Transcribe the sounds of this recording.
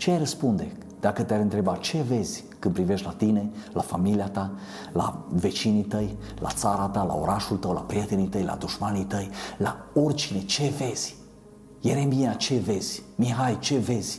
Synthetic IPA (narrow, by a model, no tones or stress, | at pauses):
t͡ʃeajrəspund̪e̞ | d̪̥akət̪eaɾʲɨnt̪ɾe̞bat͡ʃe̞ve̞z̥ʲ | kɨnpɾive̞ʃt̪ʲlat̪ine̞lafamiliat̪a | la̰ve̞t͡ʃinit̪əj | la̰t̪saɾat̪ala̰o̞ɾaʃult̪əwla̰pɾije̞t̪e̞nit̪əjla̰d̪uʃmanit̪əjlao̞rʲt͡ʃine̞t͡ʃe̞ve̞z̥ʲ | jeɾe̞mbiat͡ʃe̞ve̞zʲmiɦajt͡ʃe̞ve̞zʲ